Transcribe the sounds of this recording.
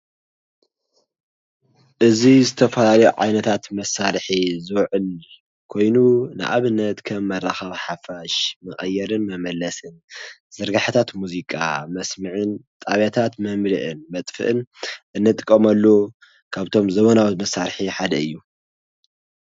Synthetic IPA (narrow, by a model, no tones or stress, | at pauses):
ʔɨzizɨt̪ʰɐfɐlalɐjuʕa̰jnɐt̪ʰat̪mɐsaɾħizɨwʕɨl | kʰo̞jnunɨ̰ʔa̰βɨnːɐt̪kʰɐmːɐrːaxɐβħafaʃmɨχʼɐjːɛɾɨnmɐmɐlːɐsɨnz̥ɨɾɡaħt̪ʰat̪muzikʼa̰mɐsmɨʕɨnt̪ʼaβat̪ʰat̪mɐmlɨʔɨnmɐt̪ʼfɨ̰ʔɨnʔɨnːɨt̪ʼɨ̥kʼːɐmɐlːo | kʰaβt̪ʰo̞mzɐβonawut̪mɐsaɾħiħad̪ɐɨjːu